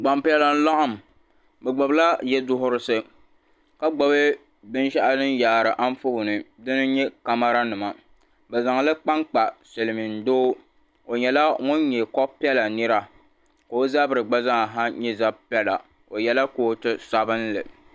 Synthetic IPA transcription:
ɡ͡ba˨mpi˦ɛ˦la˦n̩˦la˦ʔʊ˦˨m˨ | bɛ˨ɡ͡bɔ˨bla˦jɛ˦dʊ˦ɦʊ˦ɾɨ˦sɨ˦ | ka˦ɡ͡bɔ˨bɨ˦ | bɨ˦nʃa˦ʔa˦nɨ˦n˦jaː˨ɾɨ˨ʔa˦n˦fʊ˦hʊ˨nɨ˨dɨ˦nɨ˦ɲɛ˦ka˦ma˦ɾa˦nɨ˨ma˨ | bɛ˨za˨ŋ˨lɨ˦k͡pa˦ŋk͡pa˨se˨lɨ˨mɨ˨n̩˨doː˦ | o˨ɲɛ˨la˦ŋʊ˦nɲɛ˨kɔ˦pi˦ɛ˦la˨nɨ˦ɾa˨ | ka˨o˦za˦bɨ˨ɾɨ˨ɡ͡ba˦za˦ŋa˨ɦa˦ɲɛ˦za˦bpɛ˦la̰˨ | o˨jɛ˦la˦ko˦tɨ˦sa˦bɨ˦nlɨ˨

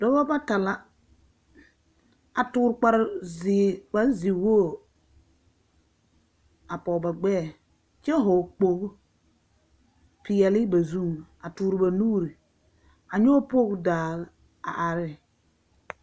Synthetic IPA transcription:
dɔ˨˦ba˦ba˦ta˨la˦ | a˨tuː˨ɾk͡pa˨ɾzi˨k͡pa˨ɾzi˨woː˦˨ | a˨pɔ˨ba˨ɡ͡bɛː˦˨ | t͡ʃɛ˦ɦo˨k͡po˨k | pi˨ɛ˨li˦ba˨zu˦˨ŋa˨tuː˨ɾba˨nuː˦ɾi˨ | a˨ɲɔ˦po˦kdaː˨l | a̰˨ʔa˨ɾɪ˦

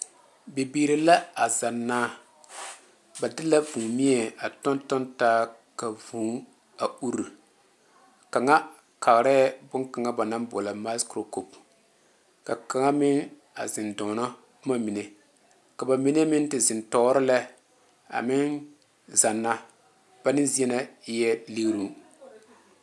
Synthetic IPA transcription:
be˨biː˨ɾɪ˨la˦a˨za˨nːaː˦ | ba˨dɪ˦la˦vũː˨mi˦ɛ˨a˨tɔ˦ntɔ˦ntaː˦ | ka˨vũː˨˦ | a˨u˦ɾu˨ | ka˨ŋa˦ | ka˨ɣɾɛ˦bʊ˦ŋka˨ŋa˦ba˨na˦mbɔ˨la˨ma˦skɾo˨ko˨p | ka˨ka˨ŋa˦mɪ˦ŋ | a̰˨zɪ˨ndɔ˨nɔ˦ | ma˦mi˨ne˨ | ka˨ba˨mi˦ne˦mɪ˦ntɪ˨zɪ˨ntɔː˦ɾɪ˦la˦ | a̰˨mɪ˦n | za˨nːa˦ | b̥a˦nɪ˦n˦zi˦ɛ˦na˦jɛ˦le˦ɾu˦

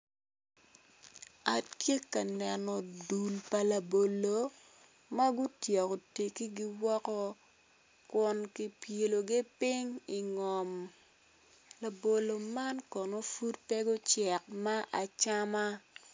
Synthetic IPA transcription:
a˨tkje˦kːa˨nɛ˨nɔ˨du˨lpa˨la˨bo˨lo˨ | ma˦ɡʊ˦tje˨ko˨te˨ki˦ɡi˦wɔ˦kɔ˦ | kwɔ˦nki˦pje˨lo˨ɡe˦pɪ˦ŋi˨ŋɔ˨m | la˨bo˨lo˨ma˦nkɔ˨no˦fu˦t̚pɛ˦ɡɔ˦t͡ʃɛ˨k̚ma˦ʔa˨t͡ʃa˦ma˦

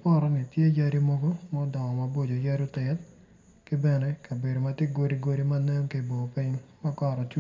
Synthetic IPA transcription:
pɔ˦ɾɔ˦ni˨tje˦ja˦ɾi˦mɔ˦ɡɔ˦mɔ˦dɔ˨ŋɔ˨ma˨bo˦d͡ʒo˨ja˦ɾo˦tɛ˨t | kɪ˦bɛ˦nɛ˦ka˨be˨do˨ma˨te˦ɡo˦ɾi˦ɡo˦ɾi˦ma˦nɛ˦mke˨bo˨pi˦ɲma˦kɔ˨ɾɔ˨t͡ʃu˦

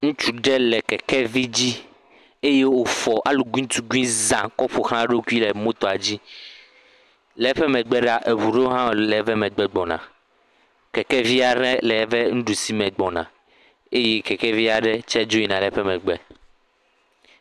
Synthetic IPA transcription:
ŋũ˦t͡ʃu˦ɖɛ˦lɛ˨kɛ˨kɛ˦vi˦d͡ʑi˦ | e˦je˦wo˦fɔ˨ʔa˦lu˨ɡĩ˦t̪u˦ɡu˦ĩ˦zã˨kɔ˦ɸo˨xlã˦ɖo˦ku˦i˦lɛ˨mõ˦t̪ɔ˨a˨d͡ʑi˦ | lɛ˨˦ɸɛ˦mɛ̃˨ɡ͡bɛ˦ɖa˦ʔe˨βu˨ɖe˦o˦ɦã˦˨lɛ˨˦vɛ˦mɛ̃˨ɡ͡bɛ˦ɡ͡bɔ̃˨nã̰˨ | kɛ˨kɛ˦vi˦a˨ɾɛ̃˦lɛ˨˦vɛ˦ŋ̩̃˦ɖu˨si˦mɛ̃˨ɡ͡bɔ˨nã̰˨ | e˦je˦kɛ˨kɛ˦vi˦a˨ɖɛ˦t͡ʃɛ˦d͡ʒo˦i˦nã˨lɛ˨˦ɸɛ˦mɛ̃˨ɡ͡bɛ˨

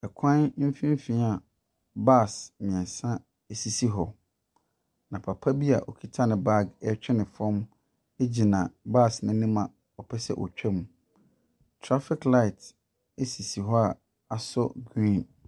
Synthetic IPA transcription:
ɛ˨kʷʰã˦nm̩˦fĩ˦m˦fĩ˨˦a˨ | ba˦˨smĩ˨ɛ̃˨nsã˦ | e˦si˨si˦ɦɔ˨ | nã˨pʰa˨pʰa˦bi˦a̰˨ʔɔ̰˨kʰi˦tʰa˦nɪ̃˨ba˦˨ɡɛ˦t͡ɕʰᶣɛ˦nɪ̃˨fɔ̃˦m | e˦d͡ʑi˨nã˨baː˦˨snɪ̃˦nĩ˦mã˨ | ɔ˨pʰɛ˦sɛ̰˦ʔɔ̰˨t͡ɕᶣʰɛ˦mũ˨ | tʰɾa˦fɪ˦kla˦˨t | e˦si˨si˨ɦɔ˦a˨ | a˨sɔ̰˦ɡɾĩ˦˨n

